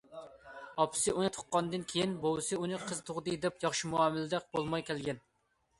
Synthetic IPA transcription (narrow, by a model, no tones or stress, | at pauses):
ɑpʰɨ̥sɨʔunɨt̪ʰo̥qːɑnd̪ɨnkʲʰejinbowɨsɨunɨqʰəzt̪ʰʊʁd̪ɨd̪ɛpjɑχʃimuɑmɪlɪd̪ɛq̚b̥olˠmɑjkʲʰɛlɡʲɛn